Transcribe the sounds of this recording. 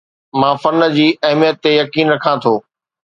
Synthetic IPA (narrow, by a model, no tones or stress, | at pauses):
mãːfɐnə̆d͡ʑiːɐɦmijət̪ːejɐkiːnɾɐkʰãt̪ʰoː